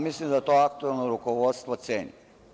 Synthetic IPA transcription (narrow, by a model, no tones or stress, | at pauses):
mislimd̪at̪oak̚t̪uelˠnoɾukoʋot̪st̪ʋot̪sḛːɲi